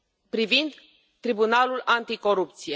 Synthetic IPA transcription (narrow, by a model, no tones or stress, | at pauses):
pɾivind̪ | t̪ɾibunalulant̪iko̞ɾupt̪sije